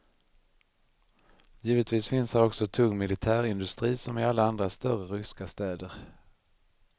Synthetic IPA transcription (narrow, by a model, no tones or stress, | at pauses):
jiːvət̪viːsfɪnsdæɾɔksɔt̪ʰɵŋːmɪlɪt̪ʰæːɾɪnd̪ɵst̪ɾiːsɔmɪalːaand̪ɾast̪œɾəɾʏskast̪ɛːd̪əɾ